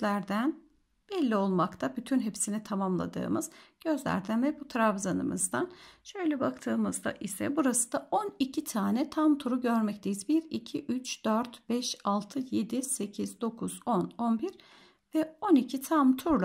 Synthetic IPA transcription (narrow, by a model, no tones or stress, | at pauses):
lʲæɾd̪æn | b̥ɛlʲːio̞lˠmakt̪ʰabyt̪ʰynɦepsinit̪ʰamamlˠa̰d̪ɯ̰ːmɯz̥ɟ̥ø̞zlʲæ̰ɾd̪ænvɛbut̪ʰɾavzanɯ̰mɯ̰zd̪anʃøjlʲɛbakt̪ʰɯːmɯzd̪a̰ʔisɛ̰buɾasɯ̥d̪ao̞nicʰit̪ʰaːnɛt̪ʰamt̪ʰuɾuɟø̞ɾmɛc̚t̪ʰe̞jizbiɾicʰiʔyt͡ʃd̪̥øɾt̪b̥ɛʃalˠt̪ʰɯje̞d̪ise̞cʰizd̪o̞kʰuz̥o̞no̞nbiɾ | vɛo̞nicʰit̪ʰamt̪ʰuɾlˠ